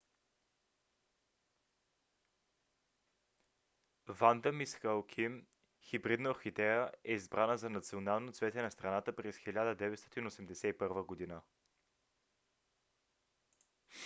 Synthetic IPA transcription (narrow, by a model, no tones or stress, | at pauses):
vand̪əmisxalˠkʰim | xibɾid̪nəxit̪ɛɾəɛizbɾanəzɐnɐt̪sionalˠnot̪svɛt̪ɛnɐst̪ɾɐnat̪əpɾɛsxilʲad̪əd̪ɛvɛt̪st̪ɔt̪inosɛmd̪ɛsɛipɤɾvəɡod̪inə